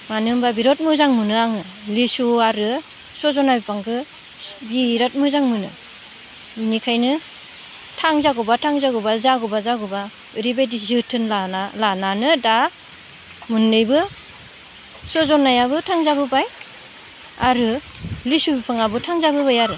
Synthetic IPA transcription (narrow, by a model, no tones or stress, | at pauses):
manɯmbabiɾɔt̚mɯzaŋmɯnɯaŋɯ | lisuaɾɯ | sɔzɔnabipʰaŋkʰɯ | biɾɔt̚mɯzaŋmɯnɯ̰ | nikʰajnɯ | tʰaŋzaɡɔbatʰaŋzaɡɔbazaɡɔbazaɡɔba | ɾibajdizɯtʰɯnlaalananɯda | mundɯjbɯ | sɔzɔnːajabɯtʰaŋzabɯbaj | a̰ɾɯ | lisubipʰaŋabɯtʰaŋzabɯbajaɾɯ